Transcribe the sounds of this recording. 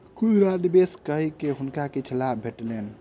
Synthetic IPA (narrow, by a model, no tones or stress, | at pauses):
kud͡ʒɾad̪ibeskəɦikeɦunkaket͡ʃʰəlabbʱeʈlen